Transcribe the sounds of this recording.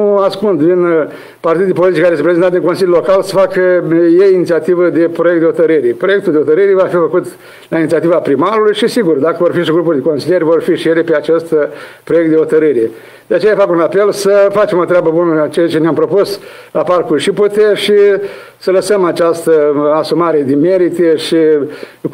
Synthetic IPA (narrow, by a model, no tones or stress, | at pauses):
nuaskund̪vin | part̪id̪ud̪ʲipolit̪it͡ʃkaɾesepɾezent̪at̪inŋko̞nsilʲjulo̞kalsə̥fakəjejinit̪siat̪ivəd̪e̞pɾo̞jekt̪eot̪əɾɨɾʲepɾo̞je̞k̚t̪uld̪eot̪əɾɨɾevafifəkut̪ | lainit̪siat̪ivapɾimaɾulujʃisiɡurd̪akəvorfiʃiɡɾup̬urʲd̪eko̞nsilje̞ɾʲvo̞rfiʃijelepeat͡ʃe̞st̪ | pɾojekt̪d̪eot̪əɾɨɾe | d̪eat͡ʃejafakunape̞lsəfat͡ʃe̞mo̞t̪ɾeabəbunət͡ʃejat͡ʃe̞neampɾo̞pus | laparkurʃiput̪eʃi | sələsəmat͡ʃast̪əasumaɾe̞d̪eme̞ɾit̪eʃi